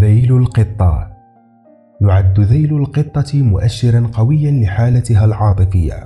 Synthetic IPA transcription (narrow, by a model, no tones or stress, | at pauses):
ðajlʊlqɨt̪ˤːɑ̰ | jʊʕad̪ːðajlʊlqɨt̪ˤːɑmʊʔaʃːɪɾɑnqɑwɪjːanlɪħaːlat̪ɪɦalʕɑːt̪ˤɨfɪjːa̰